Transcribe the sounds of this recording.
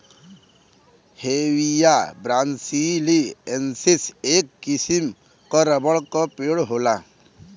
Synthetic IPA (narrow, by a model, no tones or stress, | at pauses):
heʋijabɾaːnsiliensiseːkːisim | kɔɾəbəɭkɔpeɽɦoːla